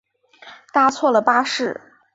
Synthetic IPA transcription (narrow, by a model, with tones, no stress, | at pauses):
t̪a˥t͡sʰwɔ˥˩lə˩pa˥ʂɻ̩˥˩